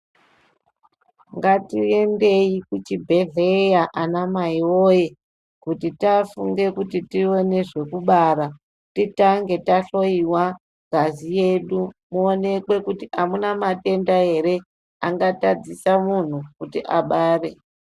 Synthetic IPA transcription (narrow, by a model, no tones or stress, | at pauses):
ŋɡatie̞nde̞ikut͡ʃibʱe̞ɮejaʔanamaioje | kutitafuŋɡe̞kutitio̞ne̞ʐe̞kuɓaɾa | titaŋɡe̞taɬo̞iwa | ɡʱazije̞ɗumuone̞kwe̞kutiʔamunamate̞ndae̞ɾe̞ | aŋɡatad͡zisamun̤ukutiʔaɓaːre̞